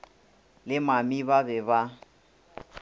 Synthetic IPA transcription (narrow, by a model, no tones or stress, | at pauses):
lɪmamiβabɛβa